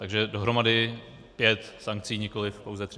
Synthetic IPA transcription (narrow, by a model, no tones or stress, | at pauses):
t̪aɡʒɛdo̞ɦɾo̞madɪ | pjɛt̪saŋk̚t͡siːɲɪko̞lɪfpowzɛt̪r